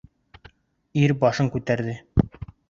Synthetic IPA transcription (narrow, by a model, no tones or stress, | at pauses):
iɾbɑʃɤŋkʉt̪æɾðɘ